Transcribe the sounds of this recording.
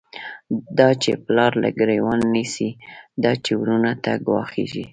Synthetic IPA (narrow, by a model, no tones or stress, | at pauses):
d̪ɑt͡ʃeplɑɾla̰ɡɾewənːisid̪ɑt͡ʃewɾunat̪aɡwɑ̰xḛʒi